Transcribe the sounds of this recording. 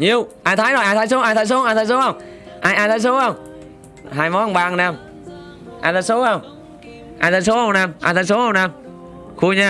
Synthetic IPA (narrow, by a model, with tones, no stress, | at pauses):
ɲi˨˧˨əwʔaː˧jt̪ʰaː˨˦jnɔ˧˩ʔaː˧t̪ʰaː˨˧˦jso˨˦ʔaː˧jt̪ʰaː˨˦so˨˦˨ʔaː˧t̪ʰaː˨˦jso˦ə˧˩wŋ͡m | ʔaː˧jʔaː˧jt̪aː˨˦jso˨˦a˧˩wŋ͡m | ɦaː˧˩jmɔ˨˦a˧˩ŋ͡mɓaː˧˨ŋnaː˧˩m | ʔa̰ː˧˩t̪ʰaː˨˦jso˨˦a˧˩ŋ͡m | ʔaː˧˩t̪ʰaː˨˦js̬o˨˦˧wnaː˧˩mʔaː˧˩t̪ʰaː˨˦js̬o˨˦hə˧˨wnaː˧˩m | xu˧ɲaː˧˩